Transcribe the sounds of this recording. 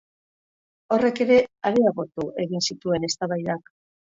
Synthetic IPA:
o̞re̞ke̞ɾe̞aɾeaɣo̞t̪uʔe̞ɣinsit̪ue̞ne̞st̪aβajðak

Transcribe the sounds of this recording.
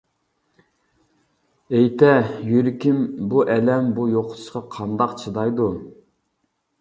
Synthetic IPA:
ejt̪ʰɛjyɾɪkʲimbuʔɛlɛmbujoqʰʊ̥t̪ʰʊ̥ʃqɑqʰɑnd̪ɑqt͡ʃʰɨd̪ɑjd̪u

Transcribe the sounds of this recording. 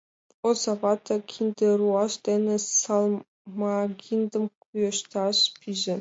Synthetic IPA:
ozɑvɑt̪ʰɑkʲʰind̪eruɑʃd̪enʲɘ̆sɑlˠ | mɑɡʲind̪ɤ̆mkujɤ̆ʃt̪ɑʃpʲʰiʒɘ̆

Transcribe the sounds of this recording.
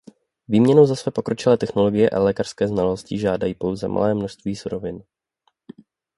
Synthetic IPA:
viːmɲɛnowzasvɛːpo̞kɾo̞t͡ʃɪlɛːt̪ɛxnolo̞ɡɪjɛʔa̰lɛːkaɾr̥skɛːznaloscɪʒaːdajiːpo̞wzɛ̰mʔa̰lɛːmno̞ʃst̪viːsuɾovɪn

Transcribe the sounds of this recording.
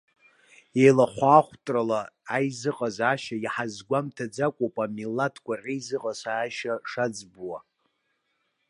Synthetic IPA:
ejlaχʷaːχʷtʼralaːjzɨqʼazaːʃajħazɡʷamtʰad͡zakʷʼopʼamilːatʰkʷʰʼarʲʼijzɨqʼasaːʃaʂad͡zbwa

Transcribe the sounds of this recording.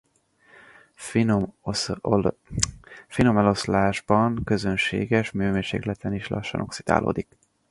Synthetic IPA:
fino̞mɛlo̞slaːʒbɒŋkø̞zønʃḛːɡɛʃmyːmeːʃḛːɡlɛt̪ɛniʃlɒ̰ʃːɒ̰nʔo̞ksid̪a̰ːlʔo̰ːd̪ik

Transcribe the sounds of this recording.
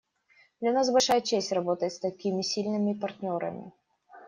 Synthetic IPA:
d̪lʲɐnasbɐlʲʂajət͡ɕesʲtʲrɐbot̪əjɪt̪st̪ɐkʲimʲɪsʲilʲnɨmʲɪpɐrt̪ʲnʲoɾɐ̰mʲɪ̰

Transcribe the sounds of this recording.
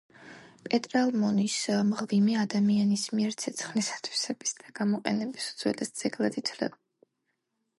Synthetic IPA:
pʼɛt̪ʼɾalˠmɔnismʁvimɛad̪amianismiɛɾt̪sʰɛt̪sʰχnisḁt̪ʰwi̥sɛbisd̪̥aɡamɔqʼɛ̰nɛbisud̪zwɛ̰lɛsd̪z̥ɛɡlˠad̪it̪ʰlɛ̰b

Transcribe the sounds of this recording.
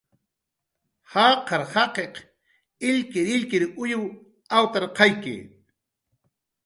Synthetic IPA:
hɑːqɑɾhɑqeq | ɪʎkɪɾɪʎkɪɾʊjʊw | awt̪aɾqɑjkɪ̰

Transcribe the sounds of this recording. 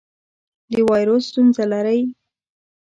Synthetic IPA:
d̪əwɑjɾosːt̪unzalaɾəj

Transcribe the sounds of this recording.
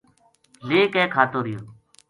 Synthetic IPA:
leːkɛ̃ːkʰaːt̪oːɾɪjoː

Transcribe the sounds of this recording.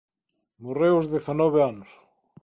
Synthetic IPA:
morewʊzðeθanɔβeanʊs

